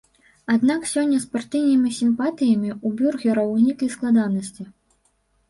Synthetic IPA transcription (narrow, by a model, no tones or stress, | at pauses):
ad̪naksʲɔnʲːɐspart̪ɨwnimʲisʲimpat̪ɨjɐmʲiubʲurɣʲɛɾɐwnʲiklʲisklˠad̪anɐsʲt͡sʲi